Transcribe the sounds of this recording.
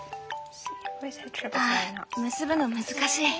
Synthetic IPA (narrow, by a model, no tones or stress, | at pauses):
etʰɹanmɯ̟sɨbɯ̟nomɯ̟zɨkaɕiː